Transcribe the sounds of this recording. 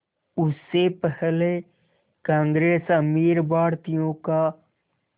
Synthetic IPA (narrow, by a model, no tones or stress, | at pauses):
ʊsːepɛɦle | kãːŋɡɾeːsəmiːɾbaːɽt̪ijõka